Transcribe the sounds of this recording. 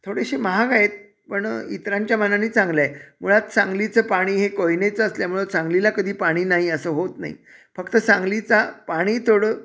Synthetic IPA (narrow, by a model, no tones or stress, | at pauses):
t̪ʰoɽeɕeməɦaɡaet̪̚ | pəɳit̪ɾaɲt͡ɕjamənaniːt͡sãŋɡlaem̤uɭat̪sãŋɡlit͡səːpaɽ̃iːɦekojinet͡səəsljam̤uɭət͡sãŋɡlilakəd̪ʱiːpaɽ̃iːnaɦiəsəːɦot̪na̰ɦḭ | fəkt̪əsãŋɡlit͡sapaɽ̃iːt̪ʰoɽə